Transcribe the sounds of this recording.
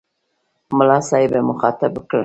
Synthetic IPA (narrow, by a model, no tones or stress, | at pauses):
mʊlɑsɑɪbemʊxɑt̪abəkə